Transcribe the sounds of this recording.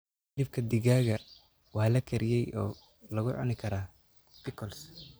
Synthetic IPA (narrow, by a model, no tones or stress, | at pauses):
d̪ɪb̚kʰɐd̪ɪɣaːɣɐ | wɑːlɐkʰɐɾʔɪjɛjʔɔ̰ː | lɐɣʊʕʊ̰nɪkʰɐɾaː | t̪ɪkʰɔls